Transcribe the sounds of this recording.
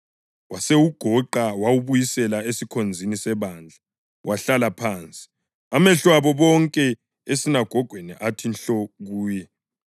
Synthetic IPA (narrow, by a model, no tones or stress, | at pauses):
wasewuɡ̥ʱɔǃawawuβujisɛlaesikʰond͡zʱinisɛβaːnd͡ɮʱa | wʔaɬalapʰaːnt͡sʼi̥ | amɛɬwaβɔβɔŋkʼɛ | esinaɡ̥ʱɔɡ̥ʱweniʔatʰinɬɔɣuːjɛ